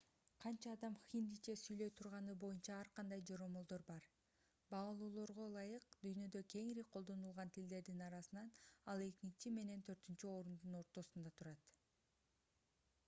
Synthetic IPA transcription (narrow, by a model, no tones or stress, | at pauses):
qʰɑnt͡ʃɑːd̪ɑmxind̪it͡ʃesyjlø̞jt̪ʰuɾʁɑnɯbo̞junt͡ʃɑɑɾqʰɑnd̪ɑjd͡ʒoɾo̞molˠd̪o̞ɾbɑɾ | bɑlˠuːlˠo̞ɾʁo̞lˠɑjɯqd̪yjnø̞d̪økʲe̞ŋiɾiqʰo̞lˠd̪o̞nulˠʁɑnt̪ʰild̪e̞ɾd̪inɑɾɑsɯnɑnɑlˠe̞k̪ʲit͡ʃime̞ne̞nt̪ʰø̞ɾt̪ynt͡ʃyo̞ɾund̪uno̞ɾt̪o̞sund̪ɑt̪ʰuɾɑt̪